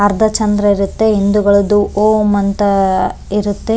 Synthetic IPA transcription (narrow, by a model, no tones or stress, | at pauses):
ɐɾd̪ʱɐt͡ʃɐnd̪ɾɐiɾut̪ːeɦind̪uɡɐɭɐd̪uʔoːmɐnt̪ɐ | iɾut̪ːe